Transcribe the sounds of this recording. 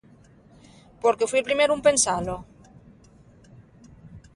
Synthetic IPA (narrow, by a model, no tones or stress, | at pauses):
poɾkefwielpɾimeɾumpensalo